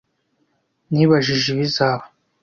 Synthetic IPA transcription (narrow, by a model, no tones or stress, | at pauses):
niβaʒiʒiβizaːa